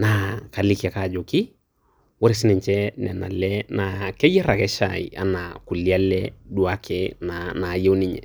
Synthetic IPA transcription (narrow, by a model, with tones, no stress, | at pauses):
na˨ka˨li˦ki˨a˨ka˦˨d͡ʒo˨ki˦ | wɔ˦ɾɪ˨sɪ˦nɛ˨ɲt͡ʃɛ˦nɛ˨na̰˨lɛna˨kɛ˦jɛ˦ɾa˨kɛ˦ʃa̰ḭ˨ʔa̰˨na˨ku˨lia˦lɛdu˨a˦kʰɛnana˨je˦wni˦ɲɛ̰˨